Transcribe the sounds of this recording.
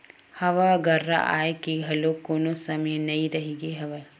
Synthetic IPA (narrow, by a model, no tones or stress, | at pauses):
hɐʋaɡɐɾːa̰ʔa̰ːjkiɡʱɐlokoːnosɐmɐjnɐĩɾɐɦiɡeɦɐʋɐ